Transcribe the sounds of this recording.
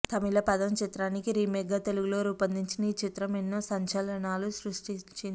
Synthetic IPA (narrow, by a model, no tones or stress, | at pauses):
t̪ʰɐmilɐpɐd̪ɐmt͡ʃit̪ɾaːnikiɾiːmɛɡːɐt̪eluɡuloːɾuːpɐnd̪iɲt͡ʃinɐiːt͡ʃit̪ɾɐmenːoːsɐɲt͡ʃɐlɐnaːlusɾuʂʈit͡ʃin